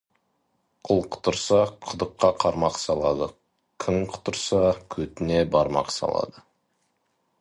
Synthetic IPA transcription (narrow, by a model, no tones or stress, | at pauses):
qʰʊlˠqʰʊ̥t̪əɾsɑqʰʊd̪əqːɑqʰɑɾmɑqsɑlˠɑd̪ə | kʲʰɪŋqʰʊ̥t̪əɾsɑkʲʰɵt̪ɪne̞bɑɾmɑ̰qsɑ̰lˠɑ̰d̪ə